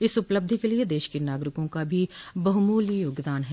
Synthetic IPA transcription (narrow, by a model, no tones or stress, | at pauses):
ɪsʊpləb̚d̪ʱikelied̪eːʃkenaːɡɾɪkõkabʱibɐɦʊmuːlijoːɡd̪aːnɦɛː